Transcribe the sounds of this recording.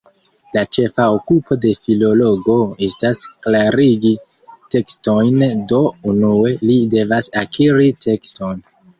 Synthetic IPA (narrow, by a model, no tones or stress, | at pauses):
lat͡ʃe̞faokupʰo̞de̞filo̞lo̞ɡo̞e̞stasklaɾiɡi | te̞ksto̞jndo̞unue̞lide̞vasakʰiɾitʰe̞ksto̞n